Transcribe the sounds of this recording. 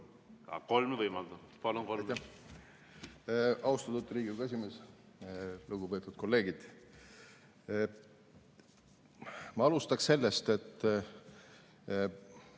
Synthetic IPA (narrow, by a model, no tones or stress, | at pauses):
ɑ̰ko̞lmvɤjmɑld̪upɑlunkoljt̪ːæ | ɑwst̪ɑt̪ut̪ːˑɾiːɡiɡɑes̬ʲimes | luɡ̥upe̞t̪ːˑud̪̚ko̞lːe̞ːɡid̪̥ | mɑɑlust̪ɑkse̞lːest̪e̞t̪ːˑ